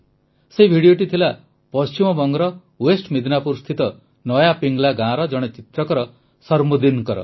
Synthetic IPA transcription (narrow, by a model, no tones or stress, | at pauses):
sebʱiɽijoʈ̬it̪ʰila | pɔst͡ʃimɔbɔŋɡɾɔ | wesʈmid̪napuɾst̪ʰit̪ɔ | nɔjapiŋɡlaɡãɾɔd͡ʒʌɽ̃et͡ʃit̪ɾʌkɔɾɔ | sʌɾmod̪inkʌɾɔ̰